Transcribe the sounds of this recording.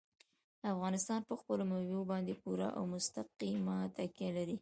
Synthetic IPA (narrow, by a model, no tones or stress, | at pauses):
afɣɑnɪst̪ɑnpəxpəloməwjobɑnd̪epuɾa̰ʔa̰wmʊst̪aqimat̪ʰakjalaɾi